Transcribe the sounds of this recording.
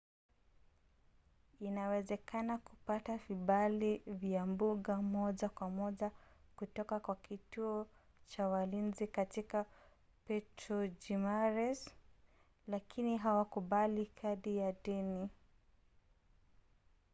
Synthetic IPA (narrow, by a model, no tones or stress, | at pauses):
inawɛzɛkanakupataviɓalivjambuɠamɔʄakwamɔʄakutɔkakwakituɔ | t͡ʃawalinzikatika | pɛtɾɔd͡ʒimaɾɛs | lakʰiniɦawakuɓalikʰaɗijaɗɛni